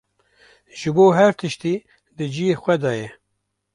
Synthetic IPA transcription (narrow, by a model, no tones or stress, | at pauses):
ʒ̥ɨboːɦɛɾt̪ʰɨʃt̪iː | d̪ɨd͡ʒijexʷɛd̪ɑːjɛ